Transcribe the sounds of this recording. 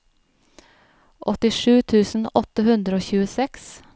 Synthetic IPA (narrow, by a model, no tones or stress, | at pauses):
ʔɔt̪ɪʂʉːt̪ʰʉːsn̩ɔt̪əhʉnd̪ɾəoːçʉːəsɛks